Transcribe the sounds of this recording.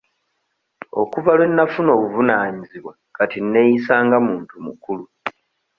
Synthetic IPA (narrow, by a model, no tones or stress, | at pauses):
o̞̰kuvalwe̞nːafuno̞ːβuvunaːɲiziβwa | katinːe̞jisaːŋɡamuːntumṵkulu